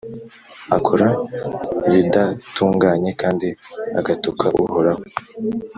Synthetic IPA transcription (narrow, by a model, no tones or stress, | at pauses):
akʰoɾa | βidatuːŋɡaːɲe̞kaːndia̰ɡatukʰaʔṵhoɾaho